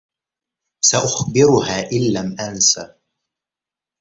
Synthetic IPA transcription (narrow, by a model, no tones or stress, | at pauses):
saʔʊxbɪɾʊhaːʔɪlːamʔansaː